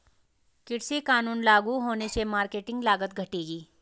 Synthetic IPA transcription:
kɪɽsikaːnuːnlaːɡuɦoːnesemaːɾkeːʈɪ̃ŋɡlaːɡət̪̚ɡʱɐʈeːɡiː

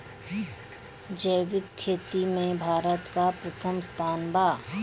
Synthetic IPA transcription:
d͡ʒəjʋɪkkʰːeːt̪imẽbʱaːɾət̪kapɾɐt̪ʰəmst̪ʰaːnbaː

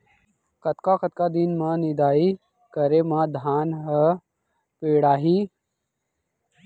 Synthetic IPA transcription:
kət̪kakət̪kad̪inmãːnɪd̪aːi | kəɾemãːd̪ʱaːnɦə | peːɽaːɦiː

